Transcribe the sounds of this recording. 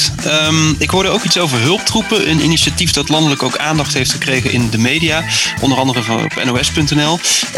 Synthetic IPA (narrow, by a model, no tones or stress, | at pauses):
mɪkɦʊɹdəowkitsowvəɹɦɵlˠp̚trupəʔənḭniʃatifdɑtlɑndələkowkaːndɑχtɦejftχəkrejχəʔɪndəmejdijaʔɔ̰ndərɑndərəv̰pɛ̰nowɛspɵntɛnɛlˠ